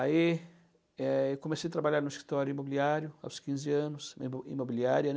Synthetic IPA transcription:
ai | ɛewkõmesejɐt̪ɾabaʎaɾnʊiskɾit̪ɔɾjʊimobiliaɾjʊa̰wskĩzɪɐ̃nʊsḭmobiliaɾjɐ

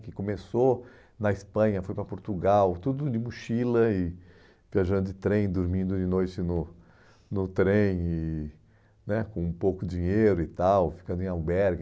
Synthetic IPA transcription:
kɪkõmeso | nɐispɐ̃ɲɐfojpɾɐpoɾt̪uɡawt̪ud̪ʊd͡ʒɪmuʃilɐɪ | viaʒɐ̃nd̪ʊd͡ʒɪt̪ɾẽj̃d̪oɾmĩnd̪ʊd͡ʒɪnojt͡ʃɪnʊ | nʊt̪ɾẽj̃ɪ | nɛkõũpowkʊd͡ʒĩɲejɾʊɪt̪awfi̥kɐ̃nd̪ʊẽawbɛɾɡ

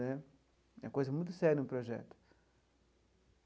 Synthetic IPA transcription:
ɛ | ɛkojzɐmũj̃t̪ʊ̥sɛɾʲjɐnʊ̃pɾoʒɛ̰t̪ʊ̥

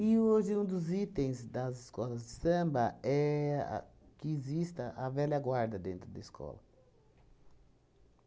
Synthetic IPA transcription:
ɪoʒɪũd̪ʊzit̪ẽj̃zd̪ɐzɪskɔlɐzd͡ʒɪsɐ̃mbɐɛa̰kɪːzist̪ɐʔɐvɛlɐɡwaɾd̪ɐd̪ẽnt̪ɾʊd̪ɐiskʰɔ̰lɐ̰

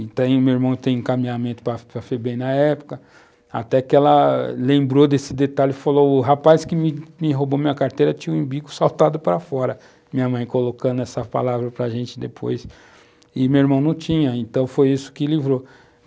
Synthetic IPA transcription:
t̪ẽj̃ʊmewiɾmɐ̃w̃ɪt̪ẽj̃ẽkamĩɲamẽnt̪ʊ̥pɾɐpɾɐfebẽj̃nɐɛpʊ̥kɐ | a̰t̪ɛkɪɛlɐlẽmbɾod̪esɪd̪et̪alʊfalowʊɦapaskɪmɪmɪɦobomĩɲ̃ɐkaɾt̪ejɾɐt͡ʃĩɲũũbiɡʊsawt̪ad̪ʊpɾɐfɔɾɐ | mĩɲɐmɐ̃j̃kolokɐ̃nd̪ʊɛsɐpa̰lavɾɐpɾɐʒẽnt͡ʃɪd̪epʰo̰js | ɪmewiɾmɐ̃w̃nɐ̃w̃t͡ʃĩɲɐẽt̪ɐ̃w̃fojisʊ̥kɪlivɾo

